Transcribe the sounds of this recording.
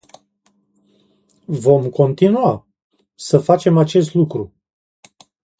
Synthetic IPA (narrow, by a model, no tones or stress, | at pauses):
vo̞mko̞nt̪inua | səfat͡ʃe̞mat͡ʃe̞s̬t̪lukɾu